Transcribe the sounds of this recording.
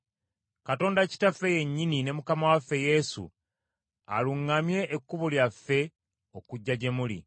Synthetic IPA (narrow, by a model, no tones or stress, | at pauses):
kato̞ːndaci̥tafeje̞ɲːinine̞mukamawafːe̞je̞sṵ | a̰luŋːamje̞ʔːkːuβoljafːe̞ | o̞kuɟːaɟe̞mulḭ